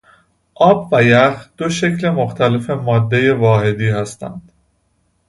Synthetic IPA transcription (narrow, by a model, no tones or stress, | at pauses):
ʔɒːbvæjæxd̪̥o̞ʃe̞clemo̞xt̪ʰæle̞fe̞mɒːd̪ːe̞jevɒːhe̞d̪iːhæst̪ʰæ̰nd̪̥